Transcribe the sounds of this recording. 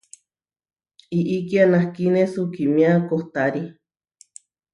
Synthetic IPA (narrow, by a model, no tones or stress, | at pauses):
iʔikianahkinesukimĩakoht̪aɾi